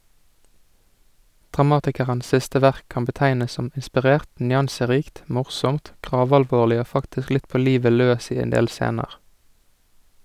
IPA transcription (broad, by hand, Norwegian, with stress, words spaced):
dʁɑˈmɑːtɪkəʁəns ˈsɪstə ˈʋæʁk ˈkɑːm bəˈtæɪnəs ˈsɔm ɪnspɪˈʁeːʁt ˈnjɑnsəˌʁiːkt ˈmʊʁsɔmt ˈɡʁɑːʋɑlˌʋoːlɪ ˈoː ˈfɑktɪsk ˈlɪt ˈpoː ˈliːʋə ˈløːs ˈiː ˈeːn ˈdeːl ˈseːnəʁ